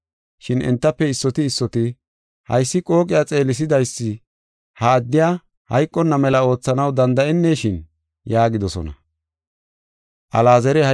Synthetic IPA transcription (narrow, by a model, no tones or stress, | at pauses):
ʃɪnɛ̰nt̪ːɐpːɛɪsːɔt̪ɪːsːɔt̪ɪ | hɐ̰jsːɪkʼo̞ːkʼɪjat͡sʼe̞ːlɪs̬ɪd̪ɐjsːɪ | hɐːd̪ːɪjaː | hɐjkʼːɔnːɐmɛlɐo̞ːt͡sːɐnɐwd̪ɐnd̪ɐʔɛnːeːʃɪn | jaːɡɪd̪ɔsɔ̰nɐ̰ | ʔɐ̰laːzɛɾɛɐ